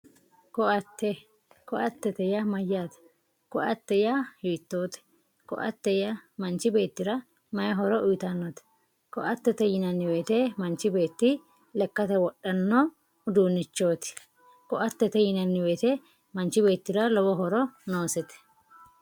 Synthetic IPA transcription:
kɔɐt̪ːɛ | kɔʔɐt̪ːɛt̪ɛjɐmɐjːat̪ɛ̥ | kɔɐt̪ːɛjɐjʊɪt̪ːo̞ːt̪ɛ̥ | kɔ̰ʔɐ̰t̪ːɛjɐmɐnt͡ʃːɪbe̞ːt̪ːɪɾɐ | mɐjɐɦɔɾɔʔʊjt̪ɐnːɔt̪ɛ̥ | kɔʔɐt̪ːɛt̪ɛjɪnɐnːɪweːt̪ɛmɐnt͡ʃːɪbe̞ːt̪ːɪ | lɛkːɐt̪ɛwɔɗːɐnːɔ | d̪uːnːɪt͡ʃːo̞ːt̪ɪ̥ | kɔʔɐt̪ːɛt̪ɛjɪnɐnːɪweːt̪ɛ | mɐnt͡ʃːɪbe̞ːt̪ːɪɾɐlɔwɔɦɔɾɔnoːsɛt̪ɛ̥

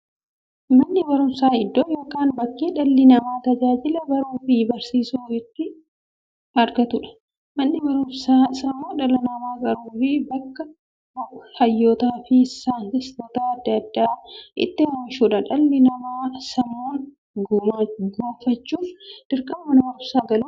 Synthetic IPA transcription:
mɐnːɪbɐɾʊmsaːɪd̪ːoːjo̞ːkaːnbɐkːeːᶑɐlːɪnɐmaːt̪ɐd͡ʒaːd͡ʒɪlɐɡɐɾuːfɪbɐɾsiːsuːfɪt̪ːɪ | ɐɾɡɐt̪ʊᶑɐ̥ | mɐnːɪbɐɾʊmsaːsɐmːoːnᶑɐlɐnɐmaːkʼɐɾuːfɪbɐkːɐ | hɐjːoːt̪aːfɪsːaːnhɪst̪oːt̪aɐd̪ːɐd̪ːaːʔɪ̰t̪ːɪɾɐːʃuːᶑɐᶑɐlːɪnɐmaːsɐmoːn | ɡɡoːfɐt͡ʃːuːd̪̥ɪɾkʼɐmmɐnɐbɐɾʊmsaːɡɐluː

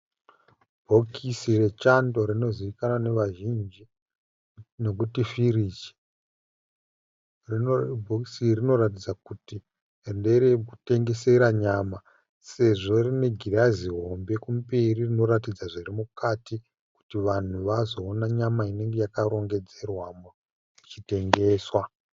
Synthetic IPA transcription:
bʱokʰisire̞t͡ʃando̞rino̞ziʋikanane̞ʋaʒind͡ʒi | no̞k̬utifiriːt͡ʃe̥ | rbʱokisirino̞ɾat̬id͡zakuti | ende̞ɾekute̞ŋɡe̞se̞ɾaɲama | se̞ʐo̞rine̞ɡʱiraziɦo̞mbe̞kumperirino̞ɾatid͡zaʐirimukati | ku̥tiʋan̤uʋazo̞ːnaɲamaine̞ŋɡe̞jakaɾo̞ŋɡe̞d͡ze̞rwam | it͡ʃite̞ŋɡe̞ːswa

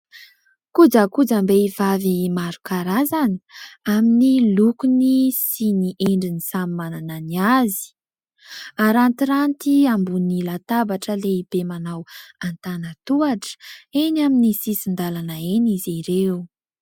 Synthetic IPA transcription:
kud͡zəkud͡zambeivavimaɾukaɾazani̥aminilukunisiniʔeɳɖ͡ʐinisamimanananiazi̥ | aɾant̪iɾant̪iambunilat̪abaʈ͡ʂəleib̥emanawant̪anət̪uaʈ͡ʂə̥enaminisisind̪alanaeniziɾeu

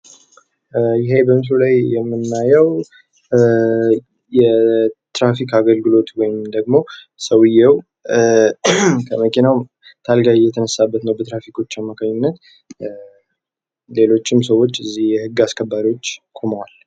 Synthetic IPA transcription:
jɪɦebəmɨs̬lulajjɛmːɨnːajɛw | jɛt̪ɾafikaɡəlɡɨlo̞t̪wɔjɪmd̪əɡmo̞ | səwɨjːɛw | kʰəməkʰinaw | t̪ʰalɡajɛt̪ʰənəsːabːət̪nəwbət̪ɾafikʰo̞t͡ʃːamːakʰaɲːunːət̪ | le̞lo̞t͡ʃːɪmsəwːo̞t͡ʃːɨzːihjɛhɨɡːaskʰəbːaɾiwo̞t͡ʃːkʰo̞mwal

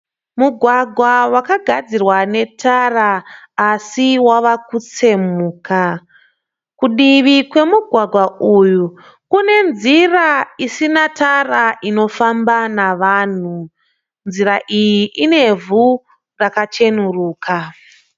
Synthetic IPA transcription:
muɡʱwaɡʱwawakaɡʱad͡zirwane̞tʰaraː | siwaʋakut͡se̞muːka | kuɗiʋikwe̞muɡʱwaɡʱwauju | kune̞nziraisinatʰaraʔino̞fambanaʋaːn̤u | nziɾaʔijiʔine̞vu | rakat͡ʃe̞nuruːkʰa

